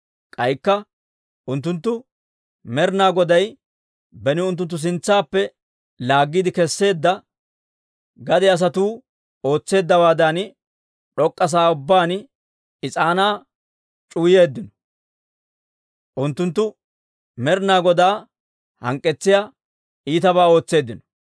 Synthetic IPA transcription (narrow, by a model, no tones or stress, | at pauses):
kʼɐjkːɐ | ʔʊnt̪̬ːʊnt̪̬ːʊ | mɛɾnaːɡɔd̪ɐj | bɛnɪʊnt̪̬ːʊnt̪̬ːʊs̬ɪnt͡sːaːpːɛ | laːɡːɪd̪ɪkɛsːe̞ːd̪ːɐ | ɡɐd̪ɛɐs̬ɐt̪uː | o̞ːt͡sːe̞ːd̪ːɐwaːd̪ɐn | ɗɔkʼːɐs̬aːʊbːaːn | ɪt͡sʼaːnaː | t͡ʃʼuːje̞ːd̪ːɪnɔ̥ | ʔʊnt̪ːʊnt̪ːʊ | mɛɾnaːɡɔd̪aː | hɐŋkʼːɛt͡sːɪja | iːt̪ɐbaːo̞ːt͡sːe̞ːd̪ːɪnɔ̥